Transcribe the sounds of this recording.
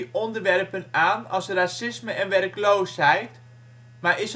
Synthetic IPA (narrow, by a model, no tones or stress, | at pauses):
ɔndərʋɛrpənaːnɔsrasɪsməɛnʋɛrkloːshɛjt | marʔɪs